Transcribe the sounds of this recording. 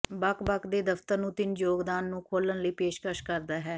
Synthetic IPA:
bakbakd̪eːd̪əft̪əɾnũːt̪ɪnjoːɡd̪aːnːũːkʰoːlənləiːpeːʃkəʃkəɾd̪aːɦɛː

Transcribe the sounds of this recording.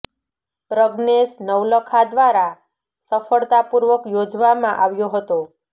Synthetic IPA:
pɾəɡnesnəʋləkʰad̪ʋaɾa | səfəɭt̪apuɾʋəkjod͡ʒʋamãʔaʋjoɦət̪o

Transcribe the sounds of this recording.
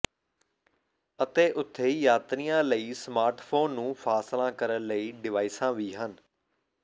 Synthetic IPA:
ət̪eːʔʊt̪ʰːeːjaːt̪nijãːləiːsmaːɾʈpʰoːnːũːpʰaːslãːkəɾənləiːɖɪʋaːɪsãːʋiːɦən

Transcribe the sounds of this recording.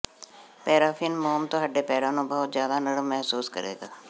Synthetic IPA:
pɛːɾaːfʰɪnmoːmt̪õːɦəɖːeːpɛːɾãːnõːbəɦʊt̪zjaːd̪aːnəɽəmɛɦsuːskə̰ɾḛːɡaː

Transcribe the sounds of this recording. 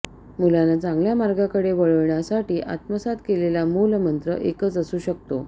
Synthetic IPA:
mulanat͡sãŋɡljamaɾɡakəɽeʋəɭəɭɳjasaʈiːʔa̰t̪məsat̪kelelamulmənt̪ɾə̰ʔekət͡səsuːɕək̚t̪o

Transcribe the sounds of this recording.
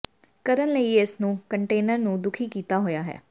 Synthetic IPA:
kəɾənləiːɪsnũːkəɳʈeːnəɾnũːd̪ʊkʰiːkiːt̪aːɦoːjaːɦɛ̰ː

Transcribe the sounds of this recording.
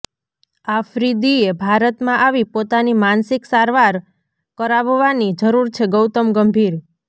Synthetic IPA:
afɾid̪iebʱaɾət̪mãʔaʋipot̪animansiksaɾʋaɾ | kəɾaʋʋanid͡ʒəɾuɾt͡ʃʰeɡəwt̪əmɡəmbʱiɾ

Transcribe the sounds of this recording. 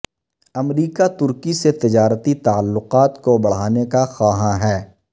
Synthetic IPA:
ɐmɾiːkat̪ʊɾkiset̪ɪd͡ʒaːɾət̪it̪aːəlːʊqaːt̪kobɐɽ̤aːnekaxaːɦãɦɛː

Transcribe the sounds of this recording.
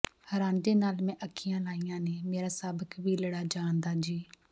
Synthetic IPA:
həɾãːnd̪eːnaːlmɛ̃ːʔəkʰːɪjãːlaːijãːneːmeːɾaːsaːbəkbiːləɽaːd͡ʒãːnd̪aːd͡ʒiː

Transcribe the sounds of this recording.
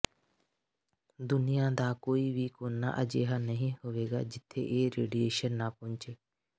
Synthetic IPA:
d̪ʊnɪjãːd̪aːkoːiːʋiːkoːnːa̰ːʔəd͡ʒeːɦaːnəɦĩːɦʊʋeːɡa̰ːd͡ʒɪt̪ʰːḛːʔeːɾḛːɖieːʃənːãːpʊ̃ɲt͡ʃeː

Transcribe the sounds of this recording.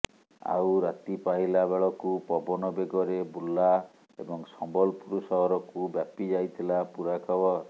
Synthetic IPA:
a̰wɾat̪ipaɦilabeɭɔkupɔbɔnɔbeɡɔɾebula | ḛbɔŋsɔmbɔlpuɾusɔɦɔɾɔkubjapid͡ʒajt̪ʰilapuɾakʰɔbɔ

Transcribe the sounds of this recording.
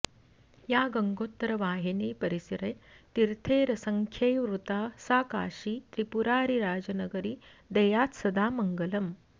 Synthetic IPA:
jaːɡɐŋɡoːt̪ːɾɐʋaːɦineːpɐɾisiɾɐjt̪iɾt̪ʰeːɾɐsɐŋkʰjɐjʋɾut̪aːsaːka̰ːʃiːt̪ɾipuɾaːɾiɾaːd͡ʒɐnɐɡɐɾi | d̪ɐjaːt̪sɐd̪aːmɐŋɡɐlɐm

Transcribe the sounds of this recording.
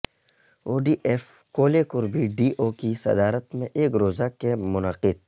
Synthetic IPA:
oːɖiːʔeːf | koːlekʊɾbʱiɖiːʔoːkisɐ̰d̪aːɾət̪mẽʔeːkɾoːzakemʊnəqɪd̪̚

